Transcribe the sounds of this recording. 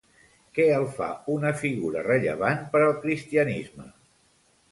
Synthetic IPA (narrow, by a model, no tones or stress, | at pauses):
kɛəlˠfa̰unəfiɣuɾə̰rəʎə̰β̞anpəɾəlˠkɾist̪iənizmə̰